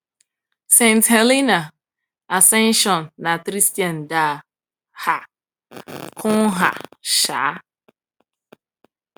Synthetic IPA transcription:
sẽ˦˨nthe˨li˦na˨ | a˨sɛ˦nʃɔ˨nː˨a˨kɾi˦sti˨ã˨n˨da˨ | ha˨ | kʰʊ̃˦ɦa̰˨ʃa̰ː˨˦

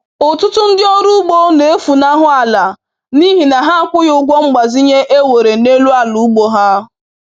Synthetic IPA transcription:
ʊ˨tʊ˦tʊ˦n̩˦dɪ˦o˦ɾu˦ɡ͡bo˦ne˨e˦fu˨na˦ɦʊ˦a˨la˨ | ni˦ɦi˨na˨ɦa˦kʷʊ˦jʊ˦ɡʷɔ˦ŋ͡m̩˦ɡ͡ba˨zi˦ɲe˦ʔe˦we˨ɾe˨ne˦lu˦a˦lu˨˦ɡ͡bo˨ɦa˦

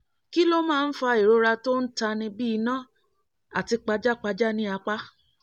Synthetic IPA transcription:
ki˦lo˦mãː˦˧n̩˦fa˧e˨ɾo˧ɾa˧to˦n̩˦ta˧nĩ˧bi˦i˧nã˦ | a˦˨ti˧k͡pa˧˦d͡ʒa˦˨k͡pa˧d͡ʒa˦nĩ˦a˧k͡pa˦

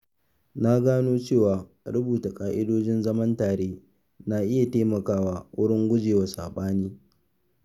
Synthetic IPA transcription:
na˦ɡaː˦noː˦t͡ʃeː˦˨waː˨ | ɽʊ˦buː˨ta˨kʼaː˨ʔɪ˦doː˦d͡ʒɪ˦nzɐ˦mɐ˦ntaː˨ɽeː˦ | na˨ʔɪ˦ja˨teː˦mɐ˨kaː˦waː˦wʊ̰˦ɽɪ˦ŋɡʷʊ˦d͡ʒeː˨wa˨sa̰ː˨ɓaː˦niː˦

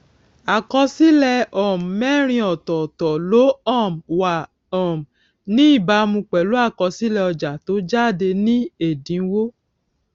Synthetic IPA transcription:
a˨kɔ˧si˦lɛ˧ɔ˨m˨mɛ˦˨ɾ̃ĩ˧ɔ˨tɔ˨tɔ˨lo˨˦ɔ˦˨mwa˨ | ɔ̃˨m˨ | nĩ˦i˦˨ba˧mũ˧k͡pɛ˨lo˨˦a˦˨kɔ˧si˦lɛ˧ɔ˧d͡ʒa˨to˨˦d͡ʒa˦˨de˧nĩ˦e˦˨dĩ˨˦wo˦

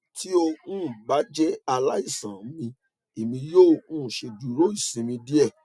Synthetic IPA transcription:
ti˦o˧ũ˦˨ɡ͡ba˨˦d͡ʒɛ˦a˧la˦i˦˨sã˨˦mĩ˧ | e˨mĩ˧joː˦˨ũ˦˨ʃe˧du˨ɾo˦i˦˨sĩ˧mĩ˧di˦ɛ˦˨

